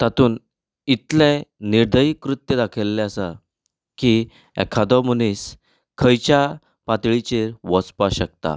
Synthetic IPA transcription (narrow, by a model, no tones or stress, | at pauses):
t̪at̪uːn | it̪lẽniɾd̪ʱəjikɾut̪jəd̪akʰəlːeəsa | ki | ɛ̰kʰad̪ɔmuniːs | kʰəjt͡ɕja | pat̪ɭit͡ɕeɾʋɔt͡spaɕək̚t̪a̰